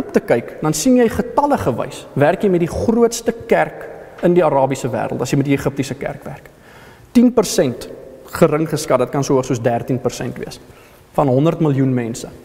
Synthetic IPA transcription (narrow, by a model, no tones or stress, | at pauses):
ptəkɐjkdɐnsinjɛjχətɐləχəvɐ̰jsværkjɛjmɛtdiχruətstəkærkəndiɐɾɑːbisəvæ̰ːɾə̰lˠtɐsjɛjmɛt̚dieχəp̚tisəkæ̰rkvæ̰rk | tinpərsɛntχəɾəŋχəskɐt̚dɐt̚kɐnsuəəχsuəsdærtinpərsɛ̰ntvḭəs | fɐnɦɔndərtməlˠjunmɛnsə